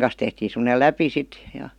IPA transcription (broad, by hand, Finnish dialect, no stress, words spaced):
kɑn̞s tehtiːn̞ semˑə̆nel læpi sit jɑ̥